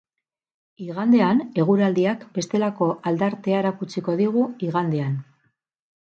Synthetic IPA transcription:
iɣand̪e̞ane̞ɣ̞uɾald̪iakbe̞st̪e̞lako̞ʔald̪aɾt̪eaeɾakut͡siko̞ðiɣuiɣand̪ean

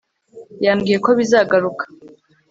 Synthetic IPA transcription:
jaːŋɡiːje̞ko̞βizaːɡaɾukḁ

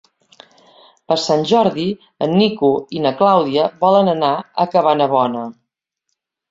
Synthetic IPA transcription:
pəɾsanʲʒɔɾði | ənːikuinəklawðiəβɔlənənaə̰kəβanəβɔnə

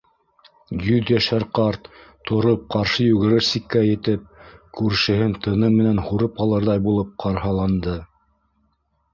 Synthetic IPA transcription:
jɵðjæʃæɾqɑɾt̪ʰː | ŏɾop̚qɑɾʃɤjʉɣɘ̆ɾɘɾsikːæjɘ̆t̪ɘp̚kʉɾʃɘ̆hɘnt̪ʰɤ̆nɤmːɘ̆nænhuɾɤpɑlˠɤɾðɑjbulˠɤp̚qɑɾhɑlˠɑnd̪ɤ

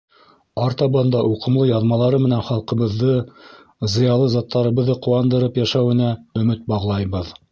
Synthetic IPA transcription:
ɑɾt̪ɑbɑnd̪ɑʔuqɤ̆mlˠɤjɑðmɑlˠɑɾɤmɘ̆nænχɑlˠqɤ̆βɤ̆ðːɤ | zɤ̆jɑlˠɤzɑt̪ʰːɑɾɤ̆βɤ̆ðːɤqŭwɑnd̪ɤ̆ɾɤpjæʃæwɘ̆næɵ̆mɘt̪̚bɑʁlˠɑjβɤð

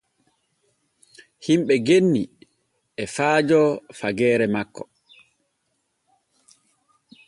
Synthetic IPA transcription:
himɓɛɡenːi | ʔɛfaːd͡ʒɔfaɡɛːɾɛmakːɔ

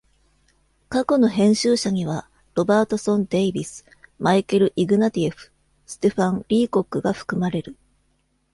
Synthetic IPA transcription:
kako̞no̞ɦẽ̞ɰ̃ɕɨːɕaɲ̟iβ̞a | ɾo̞baːt̪o̞sõ̞nd̪e̞ibʲisɨ̥ | maikɯɾɯ̟ʔiɡɯ̟nat̪ʲieɸɯ̟̥ | sɨ̥t̪e̞ɸãnɾʲiːko̞kːɯ̟ɡaɸɯ̟̥kɯ̟maɾe̞ɾɯ̟

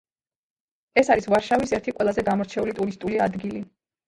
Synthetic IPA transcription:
ɛsaɾisvaɾʃavisɛɾt̪ʰiqʼwɛlˠazɛɡamɔɾt͡ʃʰɛulit̪ʼuɾist̪ʼulia̰d̪ɡili

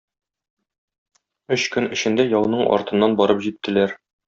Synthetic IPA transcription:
ɵɕkɵnɵ̆ɕɘ̆nd̪æjɒwɤ̆nɤɴʔɒ̰ɾt̪ɤ̆nːɑnbɒɾɤpʑit̪ːɘ̆læɾ

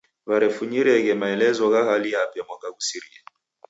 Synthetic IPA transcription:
βaɾɛfuɲiɾɛɣɛmaɛlɛzɔɣahalijapɛmwakaɣusiɾia

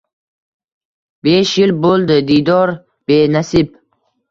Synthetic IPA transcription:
beʃjilbolˠd̪ɪd̪id̪ɒɾ | b̥enasib̚

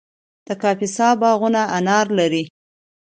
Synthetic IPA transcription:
d̪̥əkɑfɪsɑbɑɣunaʔanɑɾlaɾi

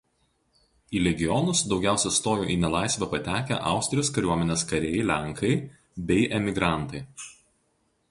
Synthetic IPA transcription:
iːlʲɛɡʲɪjɔnʊsd̪ɒʊɡʲæˑʊsʲɛst̪oːjo̰ːʔiːnʲɛlˠɑɪsʲʋʲɛpɐt̪ʲæːkʲæ̰ʔɑ̰ˑʊsʲt̪ʲɾʲɪjoːskɐɾʲuɔmʲɛnʲeːskɐɾʲeːjɛɪlʲæŋkʰɐɪ | bʲɛɪʔɛmʲɪɡɾɑˑnt̪ɐɪ

